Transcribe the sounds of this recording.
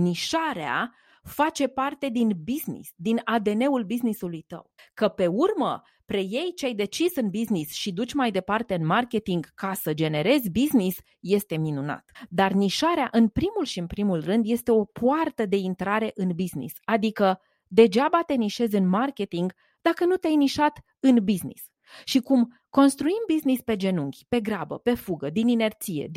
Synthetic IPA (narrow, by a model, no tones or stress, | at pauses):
niʃaɾea̰ | fat͡ʃe̞part̪e̞d̪inbiznḭsd̪inad̪e̞ne̞ulbiznisulujt̪ə̰wkəpe̞urmə | pɾe̞je̞jt͡ʃeajd̪e̞t͡ʃisɨnbiznisʃid̪ut͡ʃʲmajd̪e̞part̪e̞ɨnmarkʲe̞t̪iŋɡkasəd͡ʒe̞ne̞ɾe̞zʲbiznis | je̞st̪e̞minuna̰t̪d̪arniʃaɾeaʔɨnpɾimulʃiɨnpɾimulrɨnd̪je̞st̪e̞o̞pʰuart̪əd̪e̞int̪ɾaɾe̞ʔɨnbiznḭsad̪ikə | d̪e̞d͡ʒabat̪e̞niʃe̞zʲɨnmarkʲe̞t̪iŋɡ | d̪akənut̪eajniʃat̪ | ɨnbiznḭs | ʃikum | ko̞nst̪ɾuimbiznispe̞d͡ʒe̞nuŋɡʲpe̞ɡɾabə̰pe̞fuɡəd̪inine̞rt̪sije̞̰d̪